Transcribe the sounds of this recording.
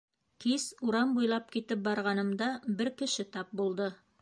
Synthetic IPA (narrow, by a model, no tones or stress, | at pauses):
kisuɾɑmbujlˠɑp̚kit̪ɘp̚bɑɾʁɑnɤ̆md̪ɑbɘɾkɘ̆ʃɘt̪ɑp̚bulˠd̪ɤ